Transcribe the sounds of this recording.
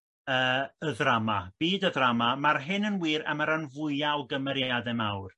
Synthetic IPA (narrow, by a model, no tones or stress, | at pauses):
əːəðramab̥iːdəðramamarɦɨnənwiːɾa̰maɾanvʊɨjaɔɡəmɛɾjaadɛmawr